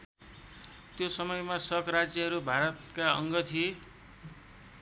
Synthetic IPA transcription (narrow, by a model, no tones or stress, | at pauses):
t̪josʌmʌjmasʌkɾad͡zjʌɦʌɾubʱaɾʌt̪kaʌ̰ŋɡʌt̪ʰie